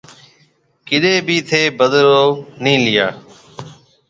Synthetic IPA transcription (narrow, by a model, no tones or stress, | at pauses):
kɪɗeːbiːt̪ʰeːbəd̪ɾoːnĩːlɪjaː